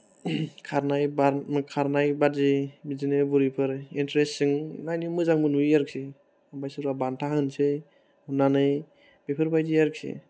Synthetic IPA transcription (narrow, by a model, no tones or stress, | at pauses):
kʰaɾnajbakʰaɾnajbatzibizinɯbuɾipʰɯɾintɾesɯŋnajnimɯzaŋbɯnujaɾksi | abajsɯɾabantʰahɯnsɯ | unanɯj | b̥epʰɯɾbajzijaɾksḛ